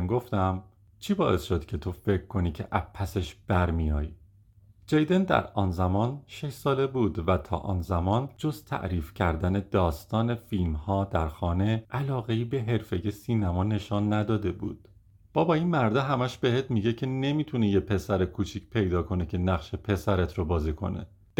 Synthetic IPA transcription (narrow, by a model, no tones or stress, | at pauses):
ɡoft̪æm | t͡ʃʰiːbɒ̰ːʔe̞sʃo̞d̪̥cʲʰe̞t̪ʰo̞fe̞cʰkʰːo̞niːcʰe̞̰ʔæpʰːæseʃb̥æɾmijɒ̰ːji | d͡ʒejd̪end̪æ̰ɾɒːnzæmɒːnʃe̞ʃsɒːle̞buːd̪væt̪ʰɒ̰ːʔɒ̰ːnzæmɒːnd͡ʒo̞zt̪ʰæ̰ʔɾiːfcʰæɾd̪æne̞d̪ɒːst̪ɒːne̞filmhɒːd̪æɾxɒːne̞ʔælɒːɣeiːbe̞ɦe̞ɾfe̞je̞siːnæmɒːne̞ʃɒːnːæd̪ɒːd̪e̞bṵːd̪̥̚ | b̥ɒːbɒːinmæɾd̪eɦæmæʃbe̞heːt̪miɟe̞cʰe̞ne̞miːt̪ʰunejepʰe̞sæɾekʰuːt͡ʃʰicʰpʰe̞jd̪ɒːkʰo̞necʰe̞næχʃepʰe̞sæɾet̪ʰɾobɒːzikʰo̞̰ne̞̰ | d̪